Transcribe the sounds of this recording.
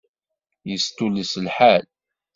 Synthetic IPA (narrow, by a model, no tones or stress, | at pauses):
jəst̪ulisəlħal